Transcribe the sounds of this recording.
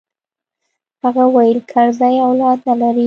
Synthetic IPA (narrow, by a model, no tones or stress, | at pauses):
haɣawajəlkʰaɾzajawlɑd̪nalaɾi